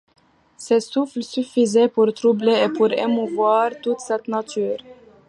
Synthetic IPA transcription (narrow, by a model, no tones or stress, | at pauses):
sesʉflsʏfɪzepʰɔɾt̪ʰɾubləepʰɔɾɛmʊvʊɑːɾt̪ʰut̪sɛt̪nɑt̪ʰʉːɾ